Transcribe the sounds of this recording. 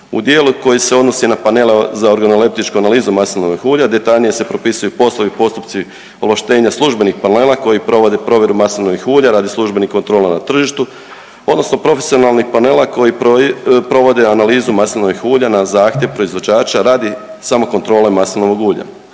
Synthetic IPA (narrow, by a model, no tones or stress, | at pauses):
ṵd̪je̞ːluko̞jise̞o̞d̪no̞sinapanelezaoɾɡanolep̚t̪it͡ʃkuanaliːzumasilnoʋixuːʎad̪e̞t̪aʎnije̞se̞pɾo̞pisujupo̞slˠoʋipo̞st̪up̪si | olˠaʃt̪e̞ːɲaslˠuʒbe̞nixpane̞ːlˠako̞jipɾo̞ʋo̞d̪e̞pɾo̞ʋʲje̞ɾumasilnoʋixuːʎaɾaːd̪islˠuʒbe̞nihko̞nt̪ɾo̞ːlˠanat̪r̩ʒiʃt̪u | o̞d̪no̞sno̞pɾo̞fesio̞nalˠnixpane̞ːlako̞jiopɾo̞ʋo̞d̪e̞analiːzumasilno̞ʋixuːʎanazaːxt̪ʲjeʋpɾo̞izʋo̞d͡ʑaːt͡ʃaɾaːd̪i | samo̞ko̞nt̪ɾo̞ːlemasilnoʋoɡuːʎa̰